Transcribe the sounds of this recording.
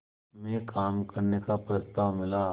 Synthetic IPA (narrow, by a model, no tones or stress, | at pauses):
mẽkaːmkɐɾnekapɾɐst̪aːʋmɪla